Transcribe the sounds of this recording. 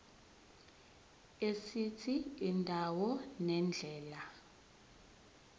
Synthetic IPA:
esit͡sʰiːndʱawɔnɛnd͡ɮʱɛːla

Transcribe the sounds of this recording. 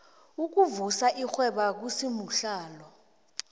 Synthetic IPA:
uk̬uvusaʔixwɛɓak̬usimuɬaːlɔ

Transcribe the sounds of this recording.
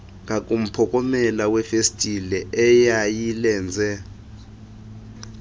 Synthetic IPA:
ŋʱak̬ʼum̩pʰɔkʼɔmɛlawɛfestʼilɛʔɛjajilɛːnd͡zʱɛ

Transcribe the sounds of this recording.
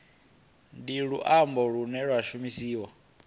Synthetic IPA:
ndiɺuʔambɔɺunɛɺwaʃumisiːwa

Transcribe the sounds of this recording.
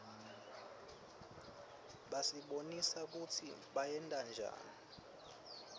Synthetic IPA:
ɓasiɓonisak̬utʰiɓajɛndʼand͡ʒʱa̰ːni

